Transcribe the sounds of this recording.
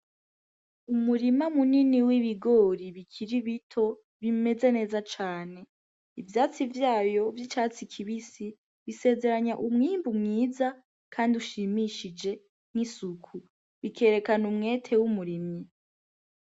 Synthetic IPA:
umuɾimamuniniwiβiɡo̞ɾiβikʰiɾiβitʰo̞ | βime̞ze̞ne̞ːzat͡ʃaːne̞ | ivjaːt͡sivjaːjo̞vjit͡ʃaːt͡sikʰiβisi | βise̞ːzeɾaɲaʔumŋiːmbumŋiːza | kʰaːndiuʃimiʃid͡ʒe̞ | ŋ̥hisukʰu | βikʰe̞ːɾe̞kanumŋe̞ːtʰe̞wumuɾimɲi

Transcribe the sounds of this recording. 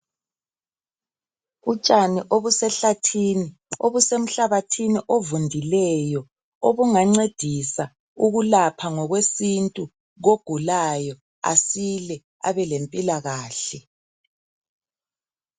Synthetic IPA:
ut͡ʃʼaniʔoβusɛɬatʰiːni | oβusem̩ɬaβatʰiniʔovundʱilɛjɔ | oβuŋaŋ͡ǀed̥ʱisa | uɣulapʰaŋɔɣwesintʼu | ɣoɡ̥ʱulajɔ | a̰silɛ | a̰βɛlempʼilaɣaːɬɛ

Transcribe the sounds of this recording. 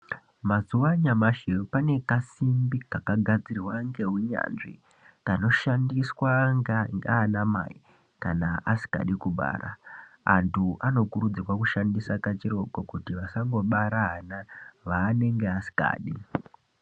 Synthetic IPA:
mazuwaɲamaʃepane̞kasimbikakaɡʱad͡ziriwaŋɡe̞ɦuɲa̰ːnʐḭ | kano̞ʃandiswaŋɡaŋɡaːnama̰i | kanaʔasi̥ka̰ɗikuɓa̰ːra̰a̰ntʰuʔano̞kuɾud͡zirwakuʃandisakat͡ʃiro̞ɡokutiʋasaŋɡo̞ɓaɾaɦanaʋaːne̞ŋɡeasi̥ka̰ːɗi

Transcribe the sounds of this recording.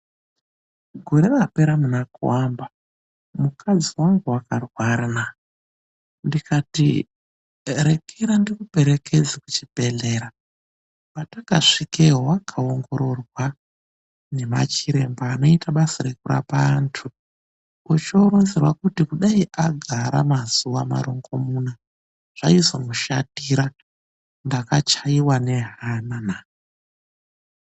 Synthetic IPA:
ɡʱo̞ɾe̞rape̞ɾamunakuwamba | mukʰad͡ziwaŋɡuwakarwaɾana | ndikatḭ | ɾe̞kʰeɾandikupe̞ɾe̞kʰe̞d͡zakut͡ʃibʱe̞ɮe̞ɾa | pataka̰ʂikeɦwakʰaoŋɡo̞ɾo̞rwa | ne̞ma̰t͡ʃiɾe̞mbaːno̞itaɓasaɾekuɾa̰paːntʰu | ut͡ʃoɾonzirwakutikuɗaiʔaɡʱaɾa̰mazuwama̰ɾo̞ŋɡo̞muna | ʐ̥aizomuʃatiɾa | ndakat͡ʃaiwane̞ɦanana

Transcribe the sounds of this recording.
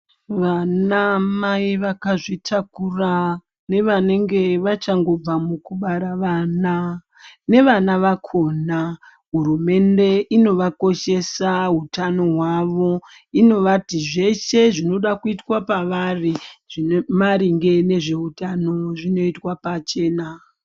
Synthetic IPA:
ʋanamaiʋakaʐitʰakura | ne̞ʋane̞ŋɡe̞ʋat͡ʃaŋɡo̞b͡vamukuɓaɾaʋana | ne̞ʋanaʋakʰo̞ːna | ɦurume̞nde̞ino̞ʋako̞ʃe̞saɦutano̞ɦwaʋo̞ | ino̞ʋatiʐe̞se̞ʐino̞ɗakuitwapaʋariʐimaɾiŋɡe̞ne̞ʐe̞ɦutano̞ʐino̞itwapat͡ʃe̞ːna

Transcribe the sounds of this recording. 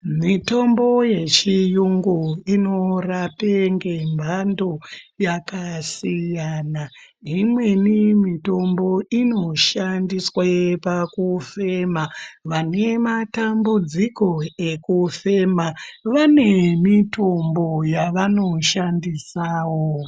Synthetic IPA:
mito̞mbo̞je̞t͡ʃijuŋɡuino̞rapeŋɡembʱando̞jakasijana | imwe̞nimito̞mbo̞ino̞ʃandiswapakufe̞maʋane̞matambud͡ziko̞e̞kufe̞maʋane̞mitombo̞jaʋano̞ʃandisaːwo

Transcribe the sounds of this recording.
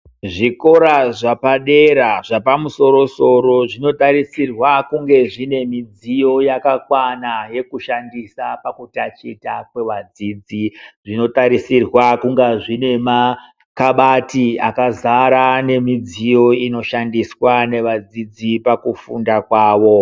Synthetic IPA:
ʐiko̞ɾaʐapaɗe̞ɾaʐapamuso̞ɾo̞so̞ɾo̞ʐino̞taɾisirwakuŋɡe̞ʐine̞mid͡zijo̞jakakwanaje̞kuʃandisapakutat͡ʃitakwe̞ʋad͡zid͡ziʐino̞taɾisirwakuŋɡaʐine̞ma | kaɓatiakazaɾane̞mid͡zijo̞ino̞ʃandiswane̞ʋad͡zid͡zipakufundakwaːʋo̞

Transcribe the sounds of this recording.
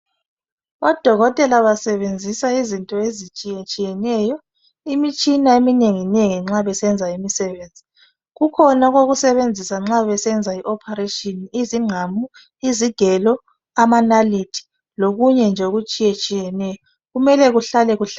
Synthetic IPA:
ɔd̥ʱɔɣɔtʼɛlaβasɛβend͡zʱisaizintʼɔezit͡ʃʼijɛt͡ʃʼijɛnɛjɔ | imit͡ʃʼinaemineŋineŋiŋ͡ǁaβɛsɛnd͡zʱaimisɛβeːnd͡zʱi | ɣukʰɔnaɣoɣusɛβend͡zʱisaŋ͡ǁaβɛsɛnd͡zʱaiʔɔpʰaretʼɔniziŋ͡ǀʱamu | iziɡ̥ʱɛlɔ | amanalitʰi̥ | loɣuɲɛnd͡ʒʱeɣut͡ʃʼijɛt͡ʃʼijɛnɛjɔ | ɣumɛlɛɣuɬalɛɣuɬa

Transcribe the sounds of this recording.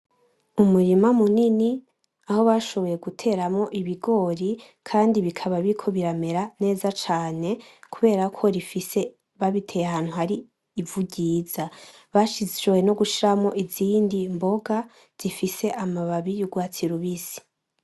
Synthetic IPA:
umuɾimamunini | aho̞βaʃo̞βo̞je̞ɡutʰe̞ːɾamŋo̞ʔiβiɡo̞ːɾi | kʰaːndiβikʰaβaβikʰo̞βiɾame̞ɾane̞ːzat͡ʃaːne̞kuβe̞ːɾakʰo̞ɾifise̞ | βaβitʰe̞jehaːn̥huhaɾiː | vuɟiːza | βaʃizewe̞no̞ɡuʃiɾamŋo̞ʔiziːndimbo̞ɡa | z̥ifise̞ʔamaβaβijuɡwaːt͡siɾuβisi̥

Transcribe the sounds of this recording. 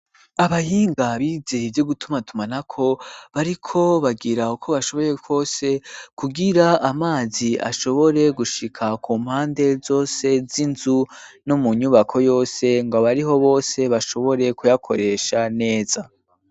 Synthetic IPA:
aβajiːŋɡaβiːzevjo̞ɡutumatumanakʰo̞βaɾikʰo̞βaɡiɾaukʰo̞βaʃo̞βo̞je̞kʰo̞ːse̞kuɡiɾaamaːzia̰ʃo̞βo̞ɾe̞ɡuʃikʰakʰuːm̥haːnde̞zo̞ːse̞zinzu | nomuɲuβakʰo̞jo̞ːse̞ŋɡoβaɾiɦo̞βo̞ːse̞βaʃo̞βo̞ɾe̞kujakʰo̞̰ɾe̞ʃane̞ːza

